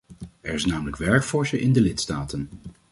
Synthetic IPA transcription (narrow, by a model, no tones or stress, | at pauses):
ɛɹɪsnaːmələkʋɛɹkfɔɹsəʔɪndəlɪtstaːtən